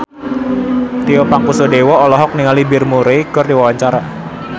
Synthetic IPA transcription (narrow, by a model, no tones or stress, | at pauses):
t̪iopaŋkusodewɔːlɔɦɔk̚niŋalibɪrmuɾeɡ̥ɔrdiwawaɲt͡ʃaɾa